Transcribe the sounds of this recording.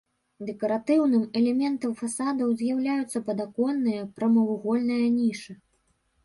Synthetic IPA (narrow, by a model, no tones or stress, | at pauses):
d̪ɛkɐɾat̪ɨwnɨmɛlʲɛmʲɛnt̪ɐmfasad̪ɐwzʲjawlʲajut̪sːɐpɐd̪akɔnːɨjɐpɾɐmɐwɣɔlʲnɨjɐnʲiʂɨ